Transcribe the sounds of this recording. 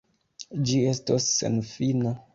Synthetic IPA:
d͡ʒie̞stosːḛnfina

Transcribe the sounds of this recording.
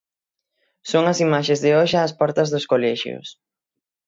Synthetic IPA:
soŋɐsimaʃezðɪɔʃːspɔɾt̪ɐzðʊskolɛʃjʊ̰s

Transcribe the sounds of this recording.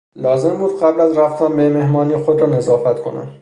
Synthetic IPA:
lɒːze̞mbuːd̪̥ɢæblæzræft̪ʰæmbemehmɒːniːxod̪ɾɒːne̞zɒːfæt̪kʰo̞̰næ̰m

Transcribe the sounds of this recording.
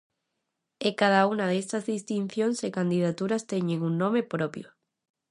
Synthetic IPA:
ekað̞aunaðest̪azðist̪in̟θjonsekand̪ið̞at̪uɾast̪eɲeŋunnõmepɾopjo

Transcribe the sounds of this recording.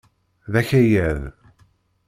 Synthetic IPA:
ðæçæjæð

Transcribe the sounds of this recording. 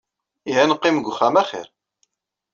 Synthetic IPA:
iɦænqːɪmɡʷʊχːæmæχɪ̰ɾ

